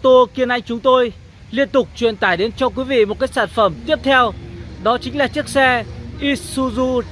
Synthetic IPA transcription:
t̪o˧ki˧ənʔa˧jŋ̟t͡ɕʊ˨˦ŋ͡mt̪o˧j | li˧ənt̪ʊ˨˩k͡p̚t͡ɕwḭ˧˨ənt̪aː˧˩jɗe˨˦nt͡ɕɔ˧k̬wi˨˦vḭ˧˨mo˨˩t̚kaː˦˥k̚saː˧˩nfə˧˩mt̪i˦˥əp̚t̪ʰɛ˧wɗɔ˨˦t͡ɕï˨˦ŋ̟laː˨˩t͡ɕɨ˦˥ək̚sɛ˧ʔi˦˥su˧zu˧

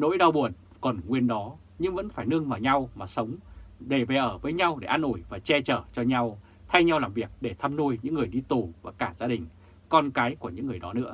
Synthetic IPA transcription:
no̰˧˥jɗa˧wɓu˨˩ən | kɔ˨˩nŋwi˧ənɗɔ˨˦ | ɲɨ˧ŋvə̰˧˥nfaː˧˩jnɨ˧əŋvaː˨˩wɲa˧wmaː˨˩sə˨˦wŋ͡mɗe˧˩ve˨˩ʔəː˧˩vəː˨˦jɲa˧wɗe˧˩ʔa˧nʔu˧˩jvaː˨˩t͡ɕɛ˧t͡ɕəː˧˩t͡ɕɔ˧ɲa˧w | t̪ʰa˧jɲa˧wlaː˨˩mvi˨˩ək̚ɗe˧˩t̪ʰaː˧mnu˧jɲɨ̰˧˥ŋːɨ˨˩əjɗi˧t̪u˨˩vaː˨˩kaː˧˩zaː˧ɗï˨˩ŋ̟ | kɔ˧nkaː˨˦jku˧˩əɲɨ̰˧˥ŋː˨˩əjɗɔ˨˦nɨ̰˧˥ə

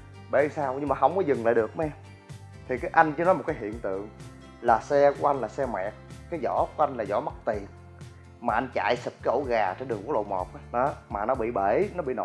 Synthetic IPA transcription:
ɓe˧˩˦saː˧wɲɨ˧ŋmaː˨˩ɦə˧wŋ͡mkɔ˨˦zɨ˨˩ŋla̰ː˧˨jɗɨ˨˩ək̚mɛ˧ | t̪ʰi˨˩kaː˨˦jʔa˧jŋ̟t͡ɕɨ˧nɔ˨˦jm̚˨˩kaː˨˦ɦḭ˧˨ənt̪ɨ̰˧˨əŋ | laː˨˩sɛ˧ku˧˩əʔa˧jŋ̟laː˨˩sɛ˧mɛ̰˨k̚kaː˨˦jzɔ̰˧˥ku˨˧˩əʔa˧jŋ̟laː˨˩zɔ̰˧˦ma˦˥k̚t̪i˨˩ən | maː˨˩ʔa˧jŋ̟t͡ɕa̰ː˧˨jsɨ˨˩p̚kaː˨˦ʔo̰˧˦ɣaː˨˩t͡ɕe˧nɗəŋku˧˩˦lo̰˧˨mɔ˨˩p̚ːɗɔ˨˦maː˨˩nɔ˨˦ɓḭ˧˨ɓe˧˩nɔ˨˦ɓḭ˧˨no̰˧˨˦

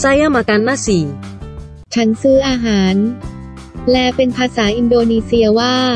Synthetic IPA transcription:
sa˧˥jʔaː˥˩ma˧ka˧nːaː˥˩siː˩˦ | t͡ɕʰa˦˥nsɯː˥˩ʔaː˧ɦaː˩˦n | lɛː˧pe˧npʰaː˧saː˩˦ʔi˧ndoː˧niː˧si˧ɐwaː˥˩

